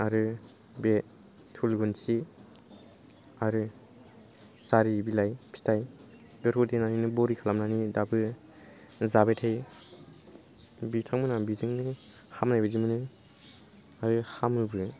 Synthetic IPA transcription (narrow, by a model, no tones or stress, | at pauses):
aɾɯ | be | tʰulɡunsi | aɾɯ | saɾibilajpʰi̥tʰaj | dɔɾudenaninɯbɔɾikʰalamnanidabɯ | zabetʰaj | bitʰaŋmɯnabiziŋnɯ | hamnajbɯdimɯnɯ | aɾɯhamɯbɯ